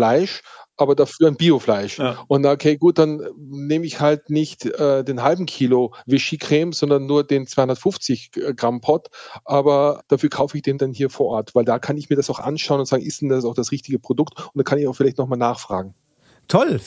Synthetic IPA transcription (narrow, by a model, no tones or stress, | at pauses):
flaɪʃʔaːbɐdafyːɐanbiːoflaɪʃʔʊntnaokʰeːɡuːt̚d̥anneːməɪçhaltnɪçtʔɛːdeːnɦalbm̩kʰiːlovɪʃikʁ̥eːmz̥ɔndɐnːuːɐdeːnt͡sv̥aɪhʊndɐətfʊnft͡sɪçɡ̥ʁampʰɔtʔaːbɐd̥aːfyːɐkʰaʊfəɪçd̥eːmdanɦiːɐfoːɐʔɔɐtv̥aɪldaːkʰanɪçmiːɐdasaʊxʔa̰nʃaʊənʊntzaːɡŋ̩ɪstd̥ɛndassaʊxd̥asʁɪçtɪɡəpʁ̥odʊktʊntd̥ankʰanɪçaʊxfɪlaɪçtnɔχmaːlnaːχfʁ̥a̰ːɡŋ̩ | tʰɔl